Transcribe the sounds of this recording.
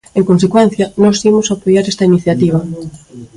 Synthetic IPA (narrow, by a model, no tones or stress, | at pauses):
eŋkonsekwɛn̟θjɐnɔsimʊsapojaɾest̪ɐiniθjat̪iβɐ